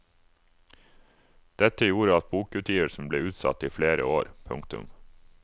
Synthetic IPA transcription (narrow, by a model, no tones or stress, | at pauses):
d̪̥ɛt̪əjuːɾəɑt̪̚buːkʉːt̪ʰjiːʋəʂn̩bleːʉːt̪sɑ̰t̪iːfleːɾə̰oːɾpʰʊ̰ŋkt̪ʉ̰m